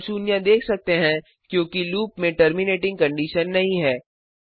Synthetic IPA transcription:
t͡ʃuːnijãd̪eːkʰsɐk̚t̪eɦɛ̃ | kjõːkiluːpmẽʈəɾmɪneːʈɪ̃ŋɡkɐ̃ɳɖiːʃənːɐɦĩɦɛː

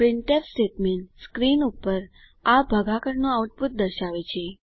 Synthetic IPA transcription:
pɾɪɳʈepsʈeʈmenskɾinupəɾ | abʱəɡʱakəɾnõauʈ̚put̪̚d̪əɾʃaʋet͡ʃʰe

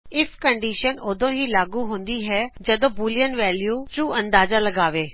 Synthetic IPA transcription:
ɪfkəɳɖiːʃənoːd̪õːɦiːlaːɡuːɦõnd̪iːɦɛːd͡ʒəd̪õːbuːlijənʋɛːljuːʈɾuːʔə̃nd̪aːzaːləɡaːʋeː

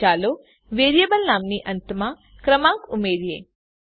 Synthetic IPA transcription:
aːlo | ʋeːɾjəbəlnaːmniʔənt̪mã | kɾəmãŋkʊmeːɾjḛ

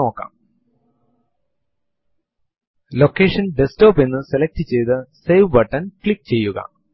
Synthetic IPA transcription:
o̞ːkːa̰ːm | lokːeːʂɐnɖestoːpenːɨselɐk̚ʈit͡ɕe̞jt̪ɨsejʋbɐʈːɐnkɭik̚ːt͡ɕe̞jːuɣɐ̰

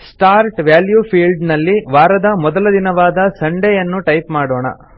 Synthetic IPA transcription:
sʈaːɾʈʋjaːljupʰiːlɖnɐlːiʋaːɾɐd̪ɐmɔd̪ɐlɐd̪inɐʋaːd̪ɐsɐɳɖɛjɐnːuʈɐjpmaːɽoːɳɐ̰

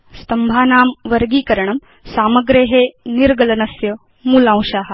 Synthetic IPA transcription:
st̪ɐmbʱaːnaːmʋɐɾɡiːkɐɾɐɳɐm | saːmɐɡɾeɦeniɾɡɐlɐnɐsjɐ | muːlãːw̃ʃaːɦɐ̆

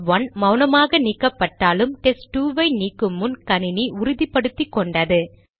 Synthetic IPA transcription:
ʋɐnmɐʊnɐmaːɣɐnikːɐpːɐʈːaːlɯmʈɛsʈːuːʋɐɪniːkːɯmːʊnkɐnɪniʔʊɾʊðipːɐɽɯt̪ːikːɔɳɖɐðɯ

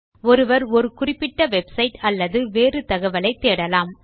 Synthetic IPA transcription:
ɔɾɯʋɐɾɔɾɯkʊrɪpːɪʈːɐʋɛbsɐɪʈɐlːɐðɯʋeːrɯt̪ɐɣɐʋɐlɐɪt̪ːeːɽɐlaːm

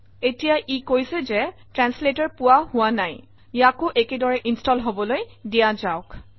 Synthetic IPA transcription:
etijaʔikojsɛzɛtɹansletɔɹpʊwahʊwanaj | jakʊʔekedɔɹɛʔinstɔlɦobɔlojdijazaʊk

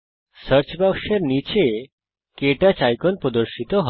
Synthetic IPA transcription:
səɾt͡ʃbakʃeɾnit͡ʃe | keʈat͡ʃajkɔnpɾɔd̪ɔɾʃit̪ɔɦ

